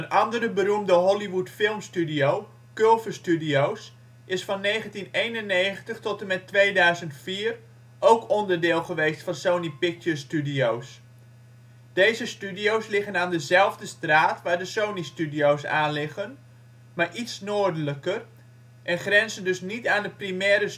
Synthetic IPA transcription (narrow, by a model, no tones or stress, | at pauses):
ənɑndəɾəbərumdəɦɔliʋutfɪlˠmstydijow | kølˠvəstydiows | ʔɪsfɑnːejχəntinejnənːejχəntəχtɔtəmɛtʋejdœɥzəntfiːr | ʔowkɔndəɹdɪːlˠχəʋejstfɑnsownipɪk̚təstydiows | d̥ejzəstydiowslɪχənaːndəzɛlˠvdəstraːtʋaːɹdəsownistydiowsaːnlɪχən | maːɹʔitsnoːdələkər | ʔɛnχrɛnzəndɵsnitaːndəprimɛːɾə